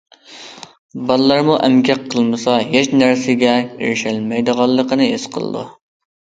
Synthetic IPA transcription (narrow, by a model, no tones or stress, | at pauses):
bɑlˠlːˠɑɾmuʔɛmkʲʰɛqqʰːəlˠmɨsɑjeʃnæɾsɪɡʲɛḛɾʃɛlmɛjd̪əʁɑlˠːəqʰənɨesqʰə̰lˠə̰d̪ṵ